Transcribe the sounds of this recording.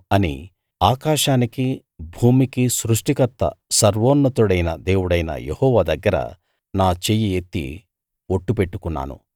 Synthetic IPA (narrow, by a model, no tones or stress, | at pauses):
ɐnḭ | aːkaːʂaːniki | bʱuːmikisɾuʂʈikɐt̪ːɐ̰sɐɾʋoːnːɐt̪uɽɐjnɐd̪eːwuɽɐjnɐ̰jehɔːʋad̪ɐɡːɐɾɐ̰ | naːt͡ʃejijet̪ːḭ | oʈːupe̞ʈːukunːa̰ːnṵ